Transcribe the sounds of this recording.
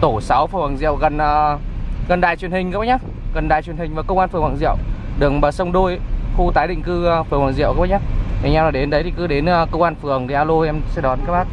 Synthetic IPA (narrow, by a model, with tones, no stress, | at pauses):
t̪o˧˩sa˨˦wfɨ˨˩əŋwaː˨˩ŋzḭ˧˨ə˨wɣə˨˩nʔəː˨˩ɣə˨˩nɗa̰ː˨˩jt͡ɕwi˨˩ənhï˨˩ŋ̟kːa˧˩ɲaː˧˦ | ɣə˨˩nɗa̰ː˨˩jt͡ɕwi˨˩ənhï˩ŋ̟vaː˨˩kə˧wŋ͡mʔaː˧nfɨ˨˩əŋwaː˧˩ŋzḭ˧˨əwɗɨ˨˩ə˩k̚ɓəː˨˩sə˧wŋ͡mɗo˧jxu˧t̪aː˨˦jɗḭ˧˨ŋ̟kɨ˧fɨ˨˩əŋwaː˨˧˩ŋzḭ˧˨əwkaː˧˦˥ɓa˧˦ɲaː˦a˨˩ɲa˧wlaː˨˩ɗe˨˦nɗə˨˦jt̪ʰi˨˩kɨ˨˦ɗe˨˦nə˨˧˩kə˧wŋ͡mʔaː˧nfɨ˨˩əŋt̪ʰi˨˩ʔaː˧lo˧˨ʔɛ˧msɛ̰˧˥ɗɔ˨˦nkaː˦˥k̚ɓaː˦˥k̚